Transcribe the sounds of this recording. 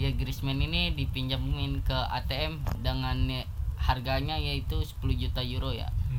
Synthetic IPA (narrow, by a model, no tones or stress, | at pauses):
jaɡɾismɛninidipiɲd͡ʒamŋɪnkəa̰t̪eɛmdəŋanharɡaɲaijait̪usə̥puluhd͡ʒut̪ajuɾoja̰